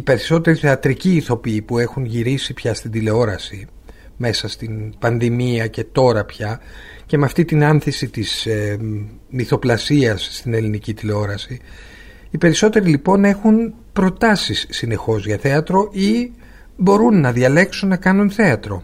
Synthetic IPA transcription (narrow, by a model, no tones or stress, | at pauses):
ipe̞ɾiso̞t̪e̞ɾiθe̞ɐt̪ɾiciːθo̞piipue̞xunʝiɾisipçɐst̪ind̪ile̞o̞ɾɐsi | me̞sɐst̪inpɐnðimiɐce̞t̪o̞ɾɐpçɐ | ce̞meɐft̪it̪inɐnθisit̪is | miθo̞plɐsiɐsːt̪ine̞linicit̪ile̞o̞ɾɐsi | ipe̞ɾiso̞t̪e̞ɾilipo̞ne̞xun | pɾo̞t̪ɐsisːine̞xo̞zʝɐθe̞ɐt̪ɾo̞ʔi | bo̞ɾunːɐðiɐle̞ksunːɐkɐnunθe̞ɐt̪ɾo̞